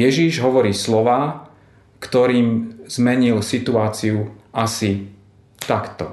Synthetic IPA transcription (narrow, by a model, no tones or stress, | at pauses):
jɛʒiʒɦɔʋɔɾiːslɔʋaː | kt̪ɔɾiːmz̥mɛɲilsit̪uaːt͡siuʔasi | t̪akt̪ɔ̰